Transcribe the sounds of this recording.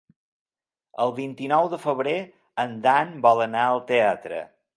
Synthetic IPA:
əlˠβint̪inɔwðəfəβɾe | ənd̪anbɔlənaəlˠt̪eat̪ɾə̰

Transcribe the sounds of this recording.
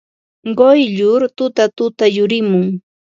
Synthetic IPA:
ɢojʎʊɾt̪ʊt̪at̪ʊt̪ajʊɾɪmʊŋ

